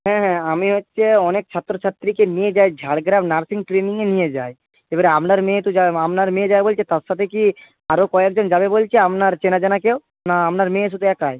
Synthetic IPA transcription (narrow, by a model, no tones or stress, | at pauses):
ɦɛ̃ɦɛ̃amiɦotːʃʰeɔnek̚t͡ɕʰat̪ːɾot͡ɕʰat̪ːɾikenijed͡ʑaed͡ʑʱaɽɡɾabnaɾsiŋʈɾeniŋenijed͡ʑae | ebaɾeamnaɾmẽt̪ud͡ʑaamnaɾmẽd͡ʑabebolt͡ʃʰet̪aɾʃat̪ʰeki | aɾokɔek̚d͡ʑond͡ʑabebolt͡ɕʰeamnaɾt͡ɕenad͡ʑanakew | naamnaɾmẽʃut̪ɛkae